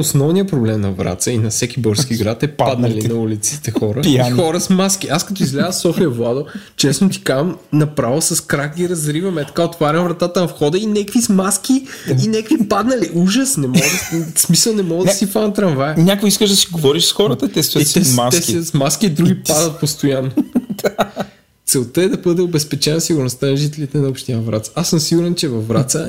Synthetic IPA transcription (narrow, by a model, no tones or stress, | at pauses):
osnɔvnijəpɾoblɛmnɐvɾa̰t̪səinɐfsɛk̟ʲibɤɾskiɡɾat̪ɛpad̪nɐlinɐulit̪si̥t̪ɛxɔɾəxɔɾəsmaskiʔaskɐt̪ɔizɡlʲavəsɔfijɐvlˠad̪ot͡ʃɛsnot̪i̥kamnɐpɾavəsɐskɾakɡʲiɾɐzɾivɐmɛt̪ɐ̥kaot̪vaɾʲɐmvɾɐt̪at̪ənɐfxɔd̪əinɛkvismask̟iinɛkvipad̪nɐliuʒəsnɛmɔɡd̪smisəlˠnɛmɔɡədsifant̪ɾɐɱvajɛɲʲakvoiskəʒd̪ɐsiɡovɔɾiʃsxɔɾət̪ət̪ɛsɛɛsɛmast̪sɛsmaskiːd̪ɾuɡʲipad̪ɐt̪̚post̪ʊjanːo | t̪sɛlˠt̪əɛd̪ɐbɤd̪ɛobɛspɛt͡ʃɛnɐsiɡʊɾnost̪anɐʒit̪ɛlit̪ɛnɐopʃt̪inɐvɾa̰t̪sasəmsiɡʊɾɛnt͡ʃɛvɐfːɾat̪sə